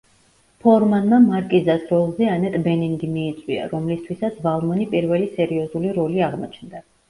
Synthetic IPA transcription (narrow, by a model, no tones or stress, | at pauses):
pʰɔɾmanmamaɾkʼizasɾɔlˠzɛanɛt̪ʼbɛniŋɡimiːt̪sʼwia̰ɾɔmlist̪ʰwisat̪sʰvalˠmɔnipʼiɾvɛlisɛɾiɔzuliɾɔliaʁmɔ̰t͡ʃʰnd̪a